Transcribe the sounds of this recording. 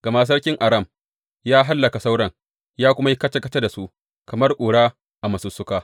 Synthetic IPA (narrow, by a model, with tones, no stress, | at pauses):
ɡ̥ɐ˨ma˦˨s̬ɐ˦rkʲɪ˦ŋʔa˨ɾɐ˦˨m | jaː˦ɦa˦lːɐ˨ka˨sa˦wɽɐ˦ŋ | jaː˦kʷʊ˦ma˦ji˦kɐ˦tɐ˦kɐ˦tɐ˦da˨su˦ʔ | kɐ˨mɐ˦rkʷʼuː˨ɽaː˦ | ʔa˨mɐ˨sʊ˦sːʊ˦kaː˦